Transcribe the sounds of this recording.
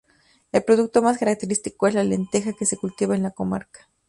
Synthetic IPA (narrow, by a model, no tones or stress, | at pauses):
elpɾoðuk̚t̪omaskaɾak̚t̪eɾist̪ikoelalent̪exakesekult̪iβaenlakoma̰ɾkḁ